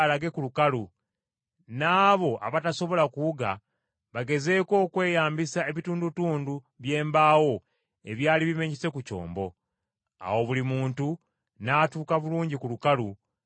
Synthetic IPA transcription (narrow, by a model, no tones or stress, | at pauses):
laɡe̞kulukalu | naːβo̞ʔa̰βataso̞βo̞lakuuɡa | βaɡe̞ze̞ːko̞ːkwe̞ːjaːmbisae̞βituːndutuːndu | βje̞ːmbaːwo̞ | e̞̰βjaːliβime̞ɲise̞kuco̞̰ːmbo̞ | a̰wo̞βulimuːntu | naːtuːkaβuluːɲɟikulukalu